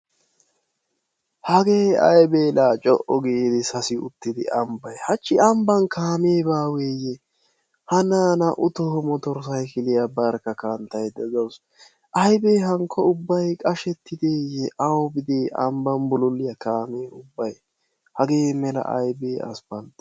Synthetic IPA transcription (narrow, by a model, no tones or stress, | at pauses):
hɐɡeːɐ̰jbeːlaːt͡ʃʼɔʔɔɡɪd̪ɪsɐsɪʊ̰t̪ːɪd̪ɪ̰ʔɐmbɐjhɐt͡ʃːɪɐmbɐŋkaːmeːbaːweːjɛ | hɐnaːnɐʔʊt̪ɔhɔmɔt̪ɔɾs̬ɐjkɪlɪjabɐɾkɐkɐnt̪ɐjd̪ɛzɔws | ʔɐjbeːɦɐŋkʰːɔʊbːɐjkʼɐʃɛt̪ːɪd̪eːjɛʔɐwɔbɪd̪eːʔɐmbɐmbʊlʊlːɪjɐkaːmeːʊbːɐj | hɐɡeːmɛlɐ̰ʔɐ̰jbeːɐ̰spɐnt̪